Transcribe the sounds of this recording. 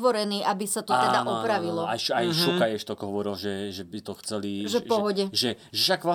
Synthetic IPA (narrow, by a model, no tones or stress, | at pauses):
ʋɔɾɛniːʔabisat̪ɔtaɛd̪aʔɔpɾaʋilɔajʃajʃukajɛʃt̪ɔkɔɦɔʋɔɾilʒɛʒɛbit̪ɔxt͡sɛliʒɛpɔɦɔɟɛʒɛ | ʒɛʃakʋa